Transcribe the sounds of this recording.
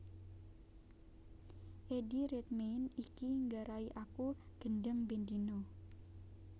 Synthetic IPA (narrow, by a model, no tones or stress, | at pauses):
ʔediɾɛt̪̚menikiŋɡaɾaiʔakuɡ̥əndəŋbend̪ino